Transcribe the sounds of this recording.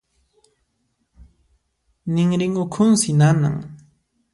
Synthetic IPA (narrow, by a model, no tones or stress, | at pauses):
nɪŋɾɪŋʊkʰʊnsɪnana̰ŋ